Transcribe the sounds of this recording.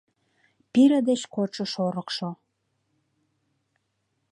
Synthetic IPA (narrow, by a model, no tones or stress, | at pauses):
piɾəd̪et͡ɕkot͡ʃəʃoɾəkʃo